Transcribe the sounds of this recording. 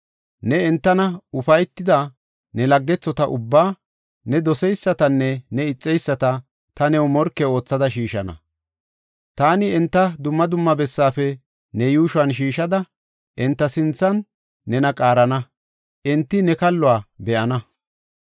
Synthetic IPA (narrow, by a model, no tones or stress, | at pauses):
nɛɛnt̪ːɐnɐʊfɐjt̪ːɪd̪ɐ | nɛlɐɡːɛt͡sːɔt̪ɐʔʊbːaː | nɛd̪ɔsɛjsːɐt̪ɐnːɛnɛɪt͡sʼːɛjsːɐt̪ɐ | t̪ɐnɛwʊmɔɾkːɛo̞ːt͡sːɐd̪ɐʃiːʃɐ̰nɐ̰ | t̪aːnɪɛnt̪ːɐd̪ʊmːɐd̪ʊmːɐbɛsːaːfɛ | nɛjuːʃʊanʃ̬iːʃɐd̪ɐ | ʔɛnt̪ːɐsɪnt͡sːɐnː | ɛnɐkʼaːɾɐnɐ | ʔɪnt̪ːɪnɛkɐlːʊaːbɛʔɐnɐ